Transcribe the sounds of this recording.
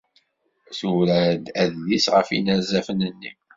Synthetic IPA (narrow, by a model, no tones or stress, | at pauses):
θuɾæd̪æðːisʁəfḭnæzæfənənːi